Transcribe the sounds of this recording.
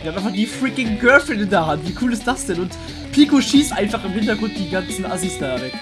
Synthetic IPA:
viɐamaɪf̬aχd̥iːfʁɪkɪŋɡœɐfl̩ɪndeːɐɦantv̥iːkʰuːlɪst̚d̥asd̥ɛnʊnt | pʰiːkoʃiːstʔaɪnfaχɪmhɪntɐɡʁʊnt̚d̥iːɡant͡sn̩azistaːʁɛ

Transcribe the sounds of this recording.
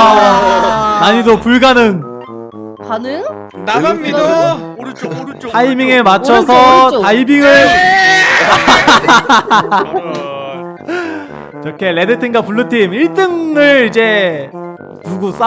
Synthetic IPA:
naɲidopuɭɡanɯŋ | anejo | a | tʰaimiŋemat͡ɕʰʌsʰʌaibiŋɯɭ | t͡ɕʌkʰe̞le̞dɯtʰiŋɡapuɭːɯtʰimiɭt͈ɯŋɯɭid͡ʑe̞ | nuɡus͈a

